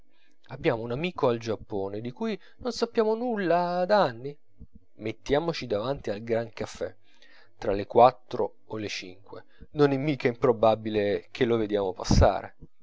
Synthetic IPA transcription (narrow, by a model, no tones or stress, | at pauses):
abːjaːmounamiːkoald͡ʒapːoːned̪ikuj | nonsapːjaːmonulːad̪aanːi | met̪ːjaːmot͡ʃid̪avant̪ialɡɾaŋkafːɛ̰ | t̪ːɾalekwat̪ːɾo | olet͡ʃiŋkwḛ | nonɛmːiːkaimpɾobabilekʰelːoved̪jaːmopa̰sːa̰ːɾḛ